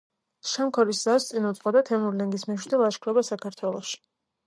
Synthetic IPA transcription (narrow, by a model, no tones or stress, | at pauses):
ʃamkʰɔɾiszast̪sʼinut̪sʼqʼɔd̪at̪ʰɛmnuɾlɛŋɡismɛʃwd̪ilˠaʃkʰɾɛbasakʰaɾt̪ʰwɛlˠɔʃi̥